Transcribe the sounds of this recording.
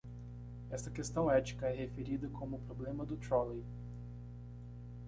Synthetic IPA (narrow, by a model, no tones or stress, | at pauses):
ɛst̪ɐkest̪ɐ̃w̃ɛt͡ʃi̥kɐɛhefeɾid̪ɐkʰõmʊːpɾoblẽmɐd̪ʊt̪ɾɔlej